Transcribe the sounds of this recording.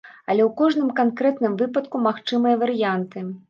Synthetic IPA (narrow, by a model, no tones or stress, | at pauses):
ɐlʲɛwkɔʐnɨmkankɾɛt̪nɨmvɨpɐt̪̚kumaxt͡ʂɨmɨjɐvɐɾɨjant̪ɨ